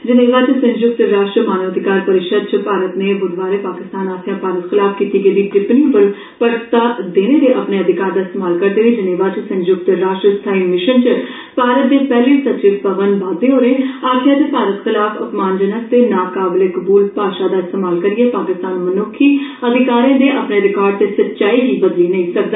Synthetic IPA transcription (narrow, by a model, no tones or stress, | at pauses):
d͡ʒɪneːʋaːt͡ʃsə̃nd͡ʒjʊk̚t̪ɾaːʃʈɾəmaːnəʋəd̪ʱɪkaːɾpɐɾɪʃəd̪̚t͡ʃpaːɾət̪nebʊd̪ʱʋaːɾepaːkɪst̪aːnaːsjãːpaːɾət̪xɪlaːfkiːt̪iɡəʋiɡɪpniːbəl | pəɾst̪ad̪eːned̪eʔɐpneɐd̪ʱɪkaːɾd̪aːɪst̪eːmaːlkɐɾd̪eːʋed͡ʒɐneːʋaːt͡ʃsə̃nd͡ʒjʊkt̪ɾaːʃʈɾəst̪ʰaːimɪʃənt͡ʃ | paːɾət̪̚d̪eːpɛːlesətt͡ʃɪʋpəʋənʋaːd̪eːɦoːɾeẽːaːkʰɪjãt̪eːpaːɾət̪xɪlaːfʊpmaːnd͡ʒənəst̪eːnaːkaːbleːkʊbuːlpaːʃaːd̪aːɪst̪eːmaːlkəɾiɛːpaːkɪst̪aːnmənoːkʰːiːəd̪ʱɪkaːɾãːd̪eːʔəpneəɾɪkaːɾt̪esətːt͡ʃaːiːɡiːbəd̪linəĩsək̚d̪aː